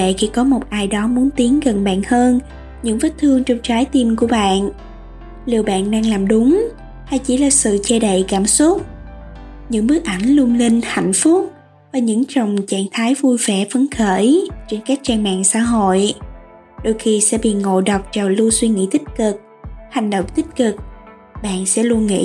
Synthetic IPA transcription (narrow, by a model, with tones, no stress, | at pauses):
ḛ˧˨ki˧˩kɔ˨˦mo˨˩t̚ʔaː˧jɗɔ˨˦mu˨˦ənt̪i˨˦əŋɣə˨˩nɓa̰ː˧˨nhəː˧n | ɲɨ̰˧˥ŋvə˦˥t̚t̪ʰɨ˧əŋt͡ɕɔ˧wŋ͡mt͡ɕaː˨˦jt̪i˧mku˧˩əɓa̰ː˧˨n | li˨˩əwɓa̰ː˧˨nɗaː˧ŋlaː˨˩mɗʊ˨˦ŋ͡m | h̪a˧˩jt͡ɕḭ˧˩laː˨˩sɨ̰˧˨t͡ɕɛ˧ɗə̰˧˨jkaː˧˩msu˦˥t̚ | ɲɨ̰˧˥ŋɓɨ˦˥ək̚ʔa˧˩jŋ̟lu˧ənlï˧ŋ̟ha̰˧˨jŋ̟fʊ˦˥k͡p̚ | vaː˨˩ɲɨ̰˧˥ŋt͡ɕə˨˩wŋ͡mt͡ɕaː˧˩ŋt̪ʰaː˨˦jvu˧jvɛ˧˩və˨˦nxəː˧˩jt͡ɕe˧nkaː˦˥k̚t͡ɕaː˧ŋma̰ː˧˨ŋsa̰ː˧˥ɦo̰˧˨j | ɗo˧jxi˧sɛ̰˧˥ɓḭ˧˨ŋo̰˧˨ɗə˨˩wk͡p̚t͡ɕa˨˩lu˧swi˧ŋḭ˧˥t̪ï˦˥t̟̚kɨ˨˩k̚ | ha˨˩jŋ̟ɗo̰˧˨wŋ͡mt̪ï˦˥t̟̚kɨ˨˩k̚ | ɓa̰ː˧˨nsɛ̰˧˥lu˧ənŋḭ˧˥